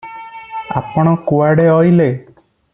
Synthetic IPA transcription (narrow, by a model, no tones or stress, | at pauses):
a̰pɔɽ̃ɔkoaɽeɔjle